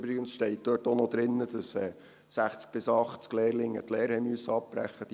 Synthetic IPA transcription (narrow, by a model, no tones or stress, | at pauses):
bɾɪɡənsʃtɛɪt̚d̥̪øːtɔnɔd̪ɾɪnːəd̥̪ɑsɛ̰ː | sæχt͡sk̚b̥ɪsɑχt͡skleːrlɪŋːə̰t̪leːɾhɛɪmyøsːəɑp̚b̥ɾæ̰χːəd̥